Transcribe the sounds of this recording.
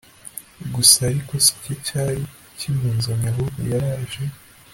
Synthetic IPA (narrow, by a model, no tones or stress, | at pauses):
ɡusaːɾiko̞si̥cocaːɾi | cimuːnzaɲaβoɡṵjaɾaːʒe